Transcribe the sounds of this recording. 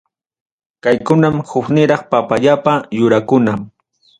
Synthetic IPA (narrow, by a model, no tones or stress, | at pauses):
kajkʊnamhʊknɪɾɑχpapaʎapajʊɾakʊna